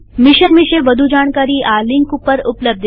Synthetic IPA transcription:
miɕəkmiɕeʋəd̪ʱud͡ʑaɽ̃kaɾiːʔaliŋkupəɾupləb̚d̪ʱ

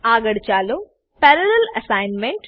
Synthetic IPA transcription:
aːɡɐɽit͡ʃaːlu | pɛɾɐlɐlɐsajnmeɳʈ

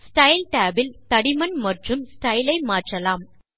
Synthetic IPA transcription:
sʈɐɪlʈaːbɪlt̪ɐɽɪmɐnmɐʈrɯmsʈɐɪlɐɪmaːʈrɐlaːm

